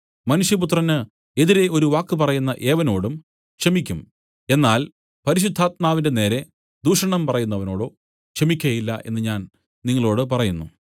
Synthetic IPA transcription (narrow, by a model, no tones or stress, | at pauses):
mɐnuʂjɐp̬ut̪̬rɐnɨ | e̞ðiɾe̞o̞ɾuʋaːkːɨpɐrɐjunːɐʔe̞ːʋɐno̞ːɽum | kʂɐmikʲːum | e̞nːaːl | pɐɾiɕ̬ud̪ʱːaːt̪̚maːʋinde̞ne̞ːɾe̞ | d̪uːʂɐɳɐmpɐrɐjunːɐʋɐno̞ːɽo̞ː | kʂɐmikʲːɐjɐjilːɐʔe̞nːɨɲaːn | niŋːɐɭo̞ːɽɨpɐrɐjunːu